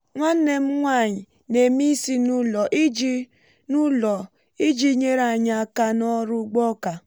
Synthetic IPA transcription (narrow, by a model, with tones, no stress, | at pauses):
ŋʷa˦n̩˦ne˨m̩˦ŋʷa˦˨ɲi˨ | ne˨mi˦si˦nu˦lɔ˨ʔi˦d͡ʒi˦ | nu˦lɔ˨ | i˦d͡ʒi˦ɲe˦ɾa˨ɲa˨ka˦nɔ˦ɾʊ˦ɡ͡bɔ˦ka˨